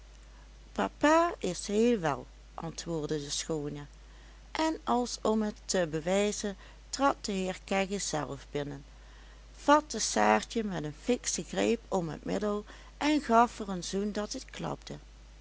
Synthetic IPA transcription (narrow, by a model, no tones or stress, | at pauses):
pa̰paːɪsɦeːlˠʋɛ̰lˠ | ʔɑntʋʊːɹdədəsxoːnə | ʔɛnɑlˠsɔmɦətəbəʋɛjzən | trɑt̚dəɦɪːɹkɛɣəz̥ɛ̰lˠvbɪnən | v̥ɑt̚əsaːɹt͡ʃəmɛdənfɪksəɣrejpʰɔmɦə̰tmɪ̰dəlˠ | ʔɛnɣɑfərənzundɑtɦətklɑ̰b̚də